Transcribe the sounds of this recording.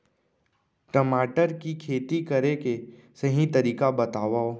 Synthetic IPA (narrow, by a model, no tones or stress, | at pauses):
ʈɐmaːʈəɾkikʰeːt̪ikɐɾeke | sɐɦĩt̪ɐɾiːkabɐt̪aːʋaoː